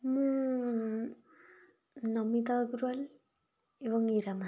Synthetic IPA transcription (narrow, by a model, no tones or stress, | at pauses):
mũ | nʌmit̪aɡɾual | eβʌŋiɾama